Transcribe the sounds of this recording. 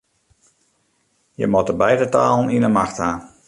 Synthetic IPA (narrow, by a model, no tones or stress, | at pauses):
jə̰mɔtəbɛjdətaːlˠninənmaxthaː